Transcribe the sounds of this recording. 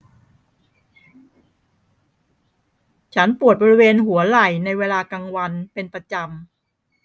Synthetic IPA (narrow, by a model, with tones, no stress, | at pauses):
t͡ɕʰa˦˥npu˨˩ət̪̚bɔː˧ɾi˦˥weː˧nɦu˩˦ɐla˨˩jna˧jweː˧laː˧ka˧ŋwa˧npe˧npɾa˧t͡ɕa˧m